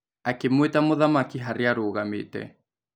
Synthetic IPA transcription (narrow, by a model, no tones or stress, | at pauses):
akemwetamoðamakiɦaɾeaɾoɣamḛtɛ̰